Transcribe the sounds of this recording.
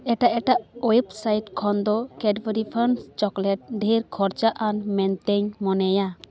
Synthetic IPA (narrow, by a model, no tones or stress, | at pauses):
ɛʈaʔɛʈaʔɔjpsajʈkʰɔnd̪ɔkɛɖbəɾipʰənst͡ʃɔklɛʈ̚ɖʱiɾkʰɔɾt͡ʃaʔanmɛnt̪ɛɲmɔnɛja